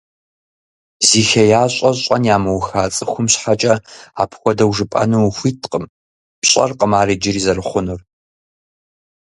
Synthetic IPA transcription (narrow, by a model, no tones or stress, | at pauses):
ziːxɐjaːɕʼɐɕʼɐnjaːmɨwxaːt͡sʼɨxʷʊmɕħat͡ʃʼɐaːpʰxʷɔdɐwʐɨpʼɐ̰nuwxʷiːtʰqʼəm | pɕʼɐ̰rqʼəmaːrid͡ʒɪriːzɐrɨχʷʊnʊr